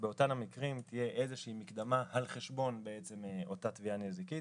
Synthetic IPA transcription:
beo̞tamhamikʁimtt̪ije̞ʔeze̞ʃiːmikd̪amahalχe̞ʃbo̞nbeet͡se̞meʔo̞tat̪vianezikit

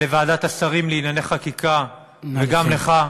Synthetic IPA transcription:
evaːdat̪asaʁimleinaneχakikʰa | veɡamleχa

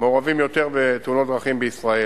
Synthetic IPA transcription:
meoʁavimjo̞t̪eʁbet̪eunot̪̚d̪ʁaχimbeisʁae

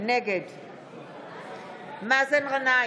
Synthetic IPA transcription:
nekɛd | m̩masen̩ɣana

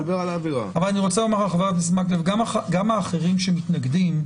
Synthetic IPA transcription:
lbeʁalaːviʁa̰avalaniʁo̞t͡salomaʁlaχavat̪ismaklevɡamaχaɡamaːχeʁimʃemitnaɡdim

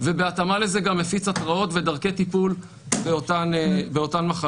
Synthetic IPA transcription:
ve̞be̞atamale̞ze̞ɡamːefit͡satʁao̞tve̞daʁke̞tipul | beotanbeotanmaχa

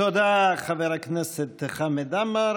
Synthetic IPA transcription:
od̪aχavɛɾaknɛsɛt̪ːeχamed̪amaɾ

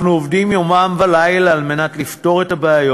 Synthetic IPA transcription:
χnuovdimjomamvalajlalmenat̪lifto̞ʁet̪abaajo

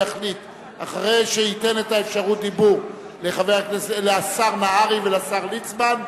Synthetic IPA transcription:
aχlit | a̰χaʁejʃeite̞netaefʃaʁut̚d̪ibuʁ | leχaveʁakneseleasaʁmaaʁiveleasaʁlit͡sban

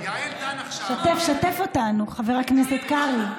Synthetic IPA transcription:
ʃat̪efʃatefo̞tanuχaveʁakneset̪kaʁi

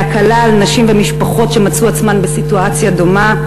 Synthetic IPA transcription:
akalaːlnaʃimvemiʃpaχo̞tʃe̞mat͡suat͡smanbesituat͡sjado̞ma

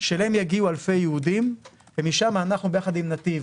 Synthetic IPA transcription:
ʃelemjaɡiualfe̞jehud̪im | vemiʃamaːnaχnubejaχad̪imnat̪iv

